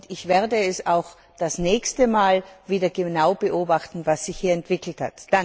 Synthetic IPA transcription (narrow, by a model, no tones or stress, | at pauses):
ʊdɪçv̥ɛɐdəɛsaʊx | d̥asnɛːçstəmaːlviːdɐɡənaʊbəʔoːbaχtn̩vasz̥ɪçhiːɐɛntv̥ɪkl̩tha̰td̥a